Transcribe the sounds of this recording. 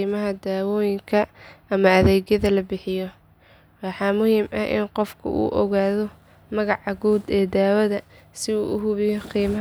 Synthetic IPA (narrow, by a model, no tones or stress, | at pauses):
imɐɦɐd̪aːwɔːjɪŋkʰɐɐmɐɐðɛːɣjɐðɐlɐbɪħɪjɔ | wɑħɑːmʊhiːmʔɐʔɪ̰nqɔfkʰʊ̰ʔṵːʔɔɣaːðɔ | mɐɣɑʕɑɣuːd̪ɛːd̪aːwɐðɐsɪuːʔʊɦʊβɪjɔqiːmɐ